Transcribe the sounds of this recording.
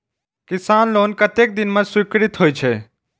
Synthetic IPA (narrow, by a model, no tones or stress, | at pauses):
kɪsaːnloːnkət̪eːk̚d̪ɪnmə̃sʊɪkɾɪt̪ɦoːit͡ʃʰeː